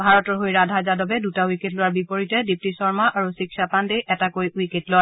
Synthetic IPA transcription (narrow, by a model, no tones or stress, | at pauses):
bʱaɹɔtɔɹɦojɹadʱazadɔbɛdutawiketlowaɹbipɔɹitɛdip̚tisɔɹmaʔaɹusiksapandejɛtakojwiketlowaɹ